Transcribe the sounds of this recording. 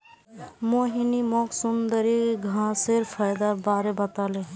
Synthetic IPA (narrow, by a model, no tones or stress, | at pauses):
moɦinimɔksund̪əɾiɡʱãseɾpʰajd̪abaɾebət̪aleɦ